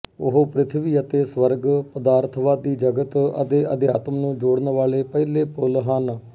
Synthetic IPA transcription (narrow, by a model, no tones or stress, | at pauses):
ʊɦoːpɾɪt̪ʰʋiːət̪eːsʋəɾɡpəd̪aːɾt̪ʰʋaːd̪iːd͡ʒəɡət̪ə̰t̪eːʔəd̪ɪjaːt̪əmnũːd͡ʒoːɽnʋaːleːpɛːleːpʊlɦən